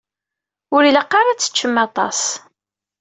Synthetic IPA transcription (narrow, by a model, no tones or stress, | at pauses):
ʊɾiləqːɑɾˤat͡sːə̥t͡ʃːəmːɑt̪ˤɑ̰s